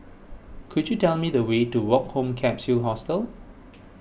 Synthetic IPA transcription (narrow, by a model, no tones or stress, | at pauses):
kʰudjutɛlmidəwetuwɔk̚hõmkʰɛ̃psulɦɔstəl